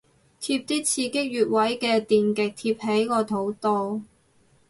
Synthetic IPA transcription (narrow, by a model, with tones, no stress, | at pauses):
t̪ʰiː˧p̚t̪iː˥t͡sʰiː˧kɪ˥k̚jyː˨t̚wɐ˨˥jkɛː˧t̪iː˨nkɪ˨k̚t̪ʰiː˧p̚he˨˥jkɔː˧t̪ʰo˨˥wt̪oː˧w